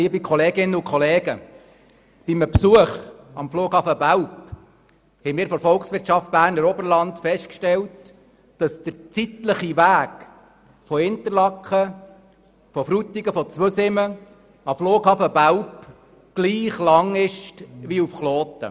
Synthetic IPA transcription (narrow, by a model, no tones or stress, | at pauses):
iːəbikʰɔleːɡɪnːəʊkʰɔleːɡə | b̥iməpsuəχɑmfluːkhɑfəbæwp | hɛɪmɪːɾfɔɾfɔlksʋɪɾtt͡ʃɑft̚b̥æːrnəɾɔbəɾlɑntfɛst̚kʃtɛlt | d̥ɑsd̥əɾt͡sit̪ləχiʋæːk | fɔhɪnt̪əɾlɑkχə | fɔfɾutːiɡəfɔt͡sʋøsɪmə | ɑfloːkhɑfəbæwp | ɡ̥liːχlɑŋɪʃtʋiufχloːt̪ə̰